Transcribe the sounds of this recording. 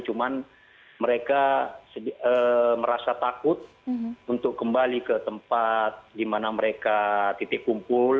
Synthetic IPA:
t͡ʃuman | məɾekasəbiəməɾasat̪akʊt̪̚ | unt̪ʊkːəmbalikət̪əmpat̪̚dimanaməɾekat̪it̪ɪʔkumpʊl

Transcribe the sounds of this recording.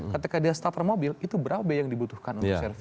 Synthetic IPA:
kət̪ikadiast̪at̪ərmobɪlit̪ubəɾabɛjaŋdibut̪uhkanunk̚ɛrf

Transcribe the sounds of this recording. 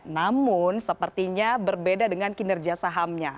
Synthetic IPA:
namʊnsəpərt̪iɲabərbedadəŋankinɛrɡiasaɦamɲa

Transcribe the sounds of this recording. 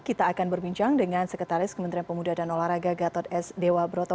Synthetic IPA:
kit̪aːkanbərbiɲt͡ʃaŋdəŋansəkət̪aɾɪskəmənt̪ɾianpəmudahdanolahɾaɡaɡat̪ɔt̪̚ɛsdewabəɾot̪ɔ

